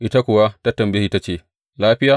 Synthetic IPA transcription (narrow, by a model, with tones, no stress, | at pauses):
ʔɪ˦ta˦kʷʊ˨wa˦ta˦tɐ˨mbe˦hi˦ta˦t͡ʃeː˦˨ | laː˦ɸɪ˦jaː˦